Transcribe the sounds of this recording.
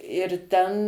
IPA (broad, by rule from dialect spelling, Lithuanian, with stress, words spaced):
ɪr ˈtʲɛn